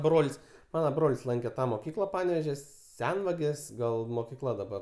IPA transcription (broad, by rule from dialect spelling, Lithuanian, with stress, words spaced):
ˈbroːlʲsʲ ˈmɑːnɐ ˈbroːlʲɪsʲ ˈlˠɐŋʲkʲɛ ˈtɑː moːˈkʲiːklˠɐ ˈpɑːnʲɛʋʲeːʒʲoː ˈsʲɛnʋɐɡʲeːs ˈɡɐlˠ moːkʲɪˈklˠɐ dɐˈbɐr